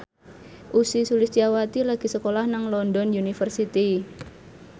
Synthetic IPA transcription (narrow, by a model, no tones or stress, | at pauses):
ʔusisulɪst͡ʃiawat̪ilaɡ̥i̤səkolahnaŋlɔndɔnjunifərsit̪i